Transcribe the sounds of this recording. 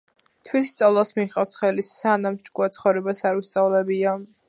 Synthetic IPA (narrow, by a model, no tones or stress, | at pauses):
t̪ʰwisst̪sʼalˠasmiχʼaft̪sʰχɛlisanamt͡ʃkʼuat̪sʰχɔvɾɛbasaɾust̪sʼavlɛbia